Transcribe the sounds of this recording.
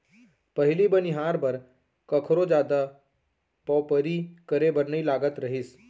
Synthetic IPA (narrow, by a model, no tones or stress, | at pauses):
pəɦilibəniɦaːɾbʱəɾ | kəkʰɾod͡ʒaːd̪a | pɔpəɾikəɾebəɾnəilaːɡət̪ɾəɦiːs